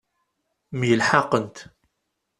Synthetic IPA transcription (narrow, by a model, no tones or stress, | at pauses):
mjəlħɑqənt̪